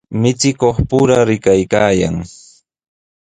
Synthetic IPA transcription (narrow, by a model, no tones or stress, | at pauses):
mɪt͡ʃɪkoχpʊɾaɾɪkajkaːja̰ŋ